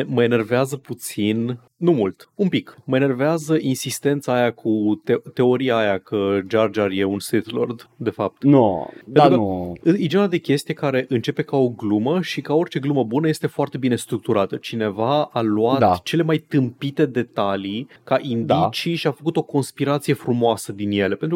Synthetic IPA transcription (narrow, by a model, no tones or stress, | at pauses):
məe̞ne̞rveazəput̪sin | numult̪umpikməe̞ne̞rveazəʔinsist̪e̞nt̪saːjakʰut̪et̪e̞o̞ɾiaːjakʰəd͡ʒard͡ʒarje̞unset̪lo̰rd̪d̪e̞fap̚t̪nopeenukəɨid͡ʒenad̪e̞kʲe̞st̪ije̞kaɾe̞ʔɨnt͡ʃe̞pe̞kao̞ɡluməʃikao̞rt͡ʃe̞ɡluməbunəje̞st̪e̞foart̪e̞bine̞st̪ɾuk̚t̪uɾat̪ət͡ʃine̞vaaluad̪t͡ʃe̞le̞majt̪ɨmpit̪e̞d̪e̞t̪ali | kaʔind̪it͡ʃiʃiafəkut̪o̞ko̞nspiɾat̪sije̞fɾumoasəd̪inje̞le̞pe̞nt̪ɾu